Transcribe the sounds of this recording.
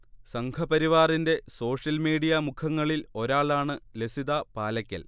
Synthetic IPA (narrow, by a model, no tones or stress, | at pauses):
sɐŋkʰɐpɐɾiʋaːrinde̞so̞ːʂjɐlmiːɽijɐmukʰɐŋːɐɭilo̞ɾaːɭaːɳɨlesiðɐpaːlɐkʲːɐ̰l